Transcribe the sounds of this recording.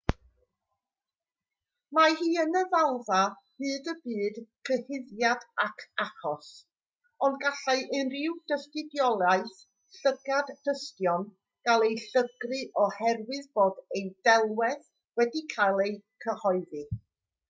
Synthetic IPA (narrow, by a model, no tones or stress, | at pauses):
mahiːənəvalˠva | b̥ɨːdəbɨːd̥kʰəhɪðjadakʰaχɔs | ɔndɡaɬaɨʔɨnrɪwd̥əstɨdjɔlˠaɨθ | ɬəɡadːəstjɔn | ɡ̥alˠejɬəɡrɨʔɔhɛrwɨðboːdejdɛlˠwɛθ | wɛdikʰajlˠejkʰəhɔɨðɨ